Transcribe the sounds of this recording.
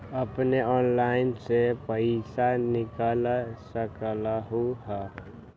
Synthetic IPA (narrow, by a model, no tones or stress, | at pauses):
əpneɔnlaɪnsepəɪsanikəlsəkləɦuɦə